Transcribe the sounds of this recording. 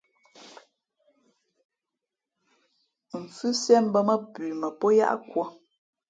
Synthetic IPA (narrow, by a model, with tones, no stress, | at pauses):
ɱ̩˨fʉ˦sɛ˦m˦bə˦mə˦pʉː˨mə˨pɔ˦ja̰˦ʔa̰˦kwɔ˦